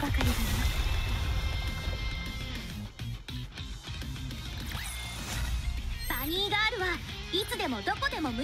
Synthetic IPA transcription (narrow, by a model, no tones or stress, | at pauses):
bakaɾʲid̪aimas | b̥aɲ̟iːɡaːɾɯ̟βait͡sɨd̪e̞mo̞d̪o̞ko̞d̪e̞mo̞mɯ̟